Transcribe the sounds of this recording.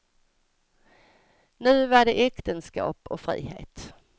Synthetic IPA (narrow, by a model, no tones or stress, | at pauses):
nʉ̟ːvaɖɛʔɛkt̪ənskɑ̰ːpɔfɾḭːhḛːt̪